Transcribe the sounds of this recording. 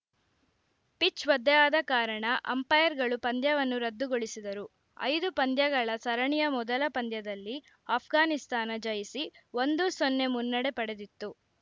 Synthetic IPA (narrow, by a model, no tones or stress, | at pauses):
pit͡ʃʋɐd̪ːɛjaːd̪ɐkaːɾɐɳɐʔɐ̰mpɐjɐɾɡɐɭupɐnd̪jɐʋɐnːuɾɐd̪ːuɡoɭisid̪ɐɾu | ɐ̰jd̪upɐnd̪jɐɡɐɭɐsɐɾɐɳijɐmɔd̪ɐlɐpɐnd̪jɐd̪ɐlːi | aːpʰɡaːnist̪aːnɐd͡ʒɐjisiʋond̪usɔnːe̞munːɐɽe̞pɐɽe̞d̪it̪ːu